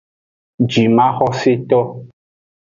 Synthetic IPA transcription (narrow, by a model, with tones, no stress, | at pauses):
d͡ʒi˨mã˦xɔ˦se˦t̪ɔ˦